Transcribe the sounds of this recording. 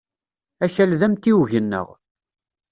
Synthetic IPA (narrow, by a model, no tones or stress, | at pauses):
æçælðæmt̪iwʝənːə̰ʁ